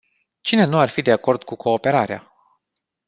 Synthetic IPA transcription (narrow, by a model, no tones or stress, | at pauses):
t͡ʃine̞nuarfid̪e̞ako̞rd̪kukʰo̞ːpe̞ɾaɾea̰